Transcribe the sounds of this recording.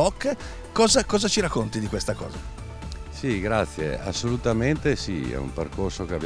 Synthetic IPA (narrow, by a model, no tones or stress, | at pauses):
ɔkː | kɔːzakɔːzat͡ʃiɾakːont̪id̪ikwest̪akɔ̰ːza | siɡɾat̪sːjḛa̰sːolut̪ament̪esiɛ̰ṵmperkorsokeab